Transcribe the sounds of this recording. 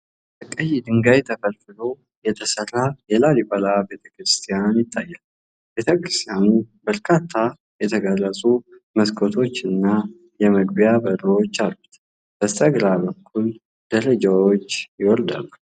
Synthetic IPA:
bəkʼəjːɪd̪ɨŋɡajt̪ʰəkʰəlfɨlo̞ | jɛt̪ʰəsərajɛlalibəlabe̞t̪ʰə̥kɾɨst̪ʰijanjɪt̪ʼːajːal | be̞t̪ʰəkɾɨst̪ʰijanubəɾkʰat̪ʰːa | jɛt̪ʰəɡalːəsʼu | məskʰot̪ʰo̞t͡ʃːɨnːa | jɛməɡbijabəɾwot͡ʃːalːut̪ | b̥ət̪ʼəɡlabəkʰːul | d̪əɾəd͡ʒawot͡ʃːjɪwɔɾd̪a̰la

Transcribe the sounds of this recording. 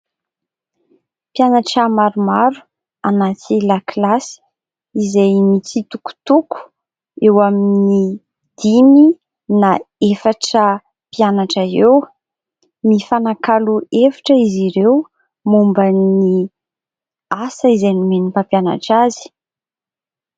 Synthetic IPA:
pianaʈ͡ʂamaɾumaɾu̥ | anatilaklasi̥ | izejmit͡sit̪uku̥t̪uku̥ | ewaminni | d̪̥imi | naefaʈ͡ʂə | pianaʈ͡ʂaew | mifanakaluefḁʈ͡ʂəiziɾew | mumbəni | asəizejnumenipapjana̰ʈ͡ʂazi̥

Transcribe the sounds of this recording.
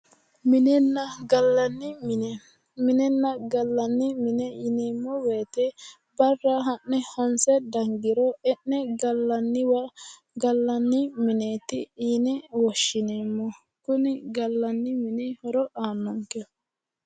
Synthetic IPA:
mɪnɛnːɐɡɐlːɐnːɪm | mɪnɛnːɐɡɐlːɐnːɪmɪnɛjɪneːmːɔweːt̪ɛ | bɐrːaɦɐʔnɛhɐnsɛd̪ɐŋɡɪɾɔɛnːɛɡɐlːɐnːɪwɐ | ɡɐlːɐnːɪmɪneːt̪ɪ̰iːnɛwɔʃːɪneːmːɔ | kʊnɪɡɐlːɐnːɪmɪnɛhɔɾɔʔaːnːɔŋkɛ

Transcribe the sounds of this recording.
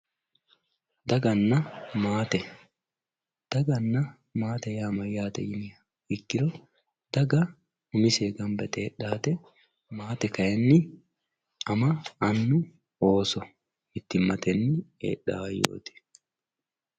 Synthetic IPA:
d̪ɐɡɐnːɐmaːt̪ɛ | d̪̥ɐɡɐnːɐ | maːt̪ɛjaːmɐjaːt̪ɛ̰jɪnɪ | ɪkːɪɾɔ | d̪̥ɐɡɐ | ʊnɪseːɡɐmbɛt̪ɛːᶑaːt̪ɛ | maːt̪ɛkɐjɛnːɪ | ɐmɐɐnːʊ | oːsɔ | mɪt̪ːɪmːɐt̪ɛnːɪḛːɗːa̰ːjo̰ːt̪ɪ̥

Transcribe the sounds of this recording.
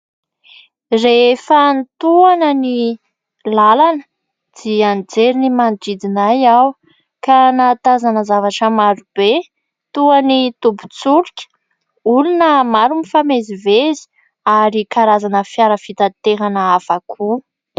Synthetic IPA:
refant̪uanəni | lalanə | d̪̥iand͡zeɾinimanʈ͡ʂid̪inajaw | kanat̪azanəzavaʈ͡ʂəmaɾub̥e | t̪uanit̪ubu̥t͡suɾkʲə̥ | ulunəmaɾunifamezivezi̥ | aɾikaɾazanəfjaɾəfit̪at̪eɾanəafakʰu

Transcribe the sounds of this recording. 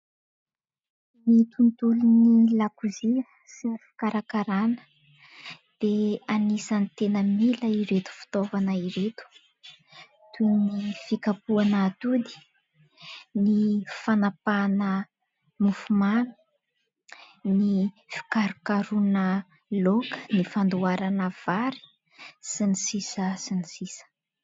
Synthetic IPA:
mit̪unt̪ulunilakuzi | sifi̥kaɾakaɾanə̥ | d̪̥eanisanit̪enəmiləiɾet̪u̥fi̥t̪ovanəiɾet̪u̥ | t̪unifikapuanaːt̪ud̪i̥ | nifanapanə | mufumanu̥ | ni | fi̥kaɾukaɾunə | lokə̥nifand̪uaɾanəv̥aɾi̥ | sinisisəsinisisə̥

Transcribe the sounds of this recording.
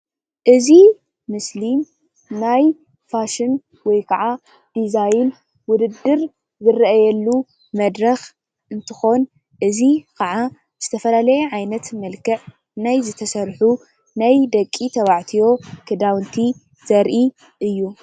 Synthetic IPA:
ʔɨzi | mɨslim | naj | faʃɪn | wɔjkʰɐʕa | d̪̥izajn | wʊd̪ɨd̪ːɨɾ | zɨrɐʔɐjɛlːu | mɐd̪ɾɐx | ʔɨnt̪ʰɨxo̞n | ʔɨzikʰɐʕa | z̥ɨt̪ʰɐfɐlalɐjɛʕajnɐt̪mɐlkʰɐʕ | najzɨt̪ʰɐsɐɾħu | najd̪ɐkʼːit̪ʰɐβaʕt̪ʰijo̞kʰɨd̪awnt̪ʰi | z̥ɐɾʔi | ʔɨjːu

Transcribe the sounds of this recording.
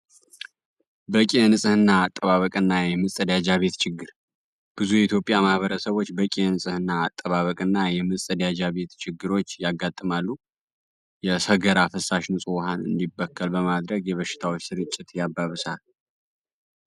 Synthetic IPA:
bəkʼenɨsʼɨhɨnːaːt̪ʼːəβaβəkʼɨnːajɛmɨst̪ʼəd̪jad͡ʒaβe̞t̪t͡ʃʰɪɡːɨɾ | b̥ɨzujɛit̪jo̞pʼjamahbəɾəsəβo̞t͡ʃːbəkʼenɨsʼɨhɨnːaːt̪ʼːəβaβəkʼɨnːajɛmɨst̪ʼəd̪jad͡ʒaβe̞t̪t͡ʃʰɪɡːɨɾo̞t͡ʃːjaɡːat̪ʼːɨmalːu | jɛsəɡəɾafəsːaʃnɨsʼwɦanɨ̰nd̪ibːəkʰːəlbəmad̪ɾəɡjɛβəʃɪ̥t̪ʰawot͡ʃːsɨɾɨt͡ʃʼːɪt̪jabːaβɨsal

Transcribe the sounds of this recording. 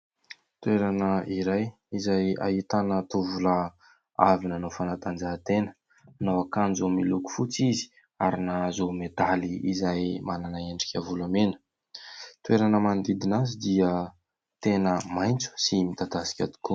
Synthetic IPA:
t̪ueɾanəiɾaj | izaja̰ɦit̪anət̪uvula | a̰vinanofanat̪and͡zat̪enə̥ | nowakanzomiluku̥fut͡sizi̥ | aɾinazomed̪aliizajmananaeɳɖ͡ʐi̥kʲəvulamenə̥ | t̪ueɾanəmand̪id̪inazid̪iə | t̪enəmajnt͡su̥simit̪ad̪asi̥kʲa̰d̪i̥ku

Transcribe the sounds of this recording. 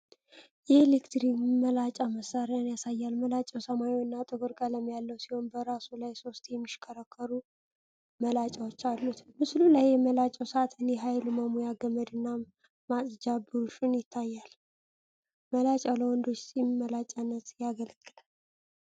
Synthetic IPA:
jɛelekt̪ɾikməlat͡ʃʼaməsaɾeanjasajːalməlat͡ʃʼːəwsəmajowɨnːat̪ʼɨɡoɾkʼələmjalːəwsiho̞nbəɾasulajso̞st̪jɛmːiʃkʰəɾəkʰːəɾu | məlat͡ʃʼawot͡ʃːalːut̪mɨslulajːɛməlat͡ʃʼəwsat̪ʰɨnjɛɦajluməmujaɡəməd̪ɨnːa | masʼd͡ʒabɨɾuʃunjɪt̪ʰːajːal | məlat͡ʃʼaləwɔnd̪o̞t͡ʃːsimimːəlat͡ʃʼanːət̪jaɡəlɡɨlal

